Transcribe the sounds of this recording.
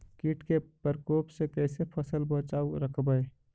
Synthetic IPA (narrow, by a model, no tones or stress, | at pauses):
kiʈkepəɾkoːpsekɛɪsepʰəsəlbət͡ʃaːuɾəkʰbəɪ